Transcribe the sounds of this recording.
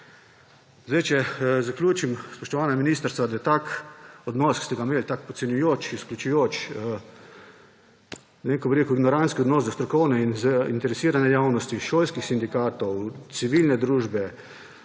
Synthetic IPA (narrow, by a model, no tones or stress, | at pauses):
zd̪ɛjt͡ʃɛzaklʲjuːt͡ʃimspɔʃt̪ɔʋaːnaminist̪əɾst̪ʋad̪ajɛt̪akɔd̪nɔːski̥st̪ɛɡameːlt̪akpɔt̪sɛnjujot͡ʃisklʲut͡ʃujoːt͡ʃː | nɛʋeŋkɔbiɾeːkuiɡnɔɾanskiɔd̪nɔːsd̪ɔst̪ɾɔkɔwnɛinzaint̪ɛɾɛsiːɾanɛjawnɔst̪iʃoːlskixsind̪ikaːt̪ɔwt̪siʋilnɛd̪ɾuːʒbɛ